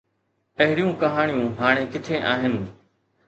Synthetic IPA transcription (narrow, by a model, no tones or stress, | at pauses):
pɐɦɪɽijũːkɐɦaːɳ̃ijũːɦaːɽ̃eːkɪt̪ʰẽːʔaːɦɪnɪ